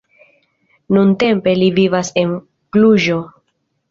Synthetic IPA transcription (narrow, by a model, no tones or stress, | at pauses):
nunte̞mpe̞livivase̞n | kluʒo̞